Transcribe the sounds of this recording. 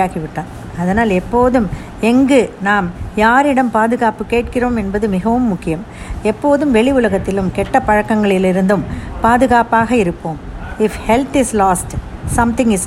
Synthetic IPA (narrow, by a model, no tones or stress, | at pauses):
aːɣiʋɪʈːãːn | ɐðɐnaːlɛpːoːðɯm | ɛŋɡɯnaːmjaːɾɪɽɐmpaːðɯɣaːpɯkeːʈkɪroːmɛnbɐðɯmɪɣɐʋɯmːʊkːɪjɐm | ɛpːoːðɯmʋɛɭɪʊlɐɣɐt̪ːɪlɯmkɛʈːɐpɐɻɐkːɐŋɡɐɭɪlɪɾɯnd̪ɯmpaːðɯɣaːpaːɣɐɪɾɯpːoːmɪfhɛlt̪ɪslaːsʈsɐmt̪ɪ̃ŋɡɪs